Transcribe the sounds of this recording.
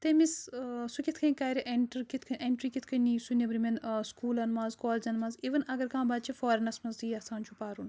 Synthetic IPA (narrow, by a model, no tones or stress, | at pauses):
t̪emissukit̪ʰkʰɐnkɐːjɾiʔeɳʈɐɾkit̪ʰkʰɐnʲʔeɳʈɾiːkit̪ʰkʰɐnːiːsunʲibɾiminskuːlɐnmãːzkoːld͡ʒɐnmɐnziːʋɐnɐɡɐɾkãːbɐd̪t͡ʃʰifoːɾɐnɐsmɐnzt̪iːɐsaːnt͡ʃʰupaːɾun